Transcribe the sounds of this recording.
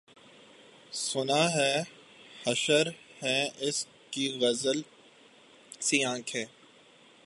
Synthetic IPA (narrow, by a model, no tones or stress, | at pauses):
sʊnaɦɛː | hɐʃəɾhɛ̃ʔɪs | kiɣɐzəl | siãːkʰɛː